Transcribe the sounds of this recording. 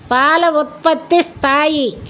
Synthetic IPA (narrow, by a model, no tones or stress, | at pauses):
paːlɐʊt̪̚pɐt̪ːist̪ʰaːji